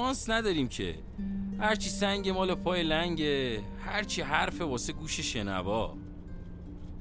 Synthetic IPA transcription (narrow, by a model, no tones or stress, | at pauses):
ɒːnsnæd̪ɒːɾiːmcʰe̞̰ | hæɾt͡ʃʰisæŋɟe̞mɒːlepʰɒːjelæɲɟe | hæɾt͡ʃʰiːɦæɾfe̞bɒːseɡuːʃeʃe̞næ̰vɒː